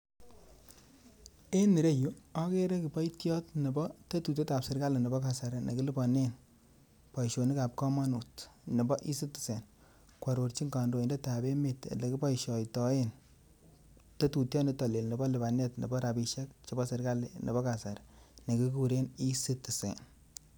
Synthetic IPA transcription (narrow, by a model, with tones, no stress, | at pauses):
e˦nːi˨ɾe˦ju˦ɔ˦ke˦ɾɛ˦ki˨pɔ˦jtjɔ˦tne˨bɔ˦tɐ˦tu˨t̬e˦ta˨psɪ˨ɾka˦le˨nɪ˨bɔ˦ka˨sa˨ɾe˨nʔḛ˨kɪ˦lɪ˦bɔ˨ne˦n | pa˨jʃo˨ni˦ka˨p̚kɔ˦ma˦nu˨tnɔ˨bɔ˦ʔi˦sɪ˦tːɪ̥˨se˨n | kwa˨ɾo˨ɾt͡ʃi˦ŋɡa˨ndo˨i˨ndɛ˦ta˨be˦me˨tḛ˨le˨kɪ˦bɔ˦jʃɔ˨jtɔ˨e˦n | to˦tu˨tjɔ˦ne˦tɔ˨le˨lni˨bɔ˦lɪ˨ba˨nɛ˦tnḛ˨bɔ˦ɾa˨bi˨ʃɛ˦k̚t͡ʃe˦bɔ˦sɪ˨ɾka˦le˨nʔḛ˨bɔ˦ka˨sa˨ɾne˨ki˦ku˨ɾe˦ni˦sɪ˦tːi˨sḛ˨n